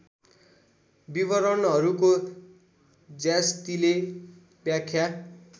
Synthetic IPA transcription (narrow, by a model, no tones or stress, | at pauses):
bibʌɾʌnɦʌɾuko | d͡zjast̪ile | bjakʰːja